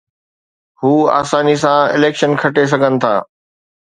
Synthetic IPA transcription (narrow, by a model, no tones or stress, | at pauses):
huːa̰ːsaːnisãɪleːkʃənkʰɐʈes̬ɐɡʱənɪ̆t̪ʰa̰ː